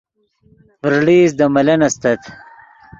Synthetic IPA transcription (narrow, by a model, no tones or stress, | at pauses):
pɾɽiːzd̪ɐmɐlɐnɐst̪ɐt̪ʰ